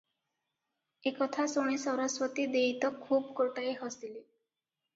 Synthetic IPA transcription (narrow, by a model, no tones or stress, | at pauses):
ekɔt̪ʰasoɽ̃ẽsɔɾɔswɔt̪id̪eit̪ɔkʰuːbkoʈajɦɔsili